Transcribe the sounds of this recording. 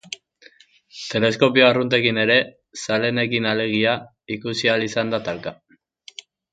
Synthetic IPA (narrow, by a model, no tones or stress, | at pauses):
t̪e̞le̞sko̞pioarunt̪e̞kine̞ɾe̞ | sale̞ne̞kinale̞ɣ̞ia | ikusialisand̪at̪alka